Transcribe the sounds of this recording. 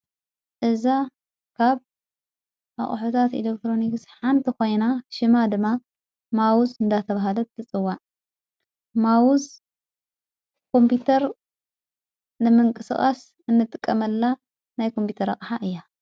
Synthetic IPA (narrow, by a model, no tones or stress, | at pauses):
ʔɨza | kʰaβ | ʔa̰χʼħot̪ʰat̪ḭlek̚t̪ɾo̞niksħant̪ʰikojnaʃɨmad̪ɨmːa | mawuzɨnd̪at̪ʰɐβaɦalɐbɨt̪ʰɨt͡sʼɨwːaʕ | mawuz | kʰo̞mpit̪ʰɐɾ | nɨmɨŋkʼɨsɨχʼa̰s | ɨnːɨt̪ʼɨkʼːɐmɐlːa | najkʰo̞mpit̪ʰɐɾɐχʼħaʔɨjːa